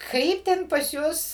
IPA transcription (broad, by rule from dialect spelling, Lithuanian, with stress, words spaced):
ˈkɐɪp tʲɛn pɐs ˈjʊs